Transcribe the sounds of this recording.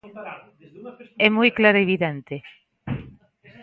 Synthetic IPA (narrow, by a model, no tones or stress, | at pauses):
ɛmujklaɾoeβiðẽnt̪e